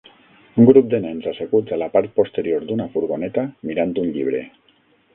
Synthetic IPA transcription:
ŋɡɾup̚d̪enaensasekut͡salapaɾt̪̚po̞st̪e̞ɾioɾd̪unafuɾɣone̞t̪amiɾant̪unʎiβ̞ɾe̞̰

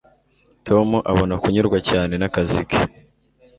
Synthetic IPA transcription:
tʰo̞muʔaβo̞nakuɲuɾɡwacaːne̞nakazike̥

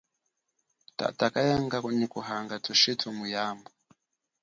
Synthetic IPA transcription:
ta̰takajaŋɡaknikuɦaŋɡatʰuʃitʰumujambɔ

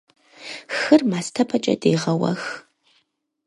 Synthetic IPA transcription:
xɨrmaːstʰɐpʰɐt͡ʃʼɐ̰deːʁɐwɐ̰x

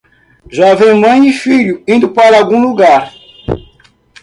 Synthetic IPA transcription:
ʒɔvẽmɐ̃j̃ifiʎʊĩnd̪ʊpaɾɐawɡũluɡaɾ

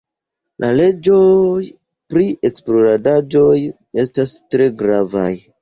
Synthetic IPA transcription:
lʔale̞d͡ʒo̞j | pɾiʔe̞ksploɾadad͡ʒo̞j | e̞stastɾe̞ɡɾava̰j

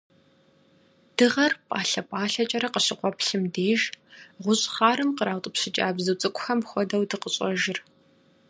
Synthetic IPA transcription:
d̥ɨʁɐrpʼaːɬɐpʼaːɬɐt͡ʃʼɐɾɐqəɕɪqʷʼɔpɬɨmdeːʒʁʷʊɕʼχaːɾɨmqəɾaːwtʼɨpɕɪt͡ʃʼa̰ːbzɨwt͡sʼɨkʷʼʊxɐmxʷɔdɐwdɨqəɕʼɐʒɪr

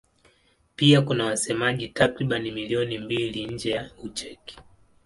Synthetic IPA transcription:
piakunawasɛmaʄitakɾiɓanimiliɔnimbiliɲ̩d͡ʒɛjaut͡ʃɛki̥

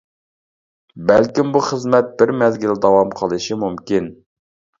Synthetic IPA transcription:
bɛlkʲimbuχəzmɛt̪̚bɪɾmɛzɡʲɪld̪ɑwɑmqʰəlˠɨʃɨmumkʲin

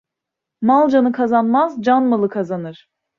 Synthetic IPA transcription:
malˠd͡ʒanɯkʰazanmazd͡ʒanmalˠɯkʰazanɯɾ̥

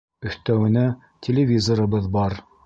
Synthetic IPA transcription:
ɵ̆θt̪æwɘ̆næ | tʲʰelʲɪvʲizoɾɤ̆bɤðbɑɾ

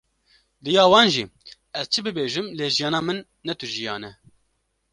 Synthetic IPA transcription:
d̪ɨjɑːwɑːnʒḭː | ɛz̥t͡ʃʰɨbɨbeːʒɨmleːʒijɑːnɑːmɨnːɛt̪ʊʒijɑːnɛ

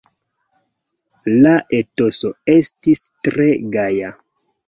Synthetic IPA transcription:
laʔe̞to̞so̞e̞stistɾe̞ɡaja

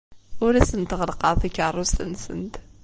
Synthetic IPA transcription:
ʊɾæsənt̪ʁəlqɑðˤikːərˤːʊst̪ənsə̰nt̪

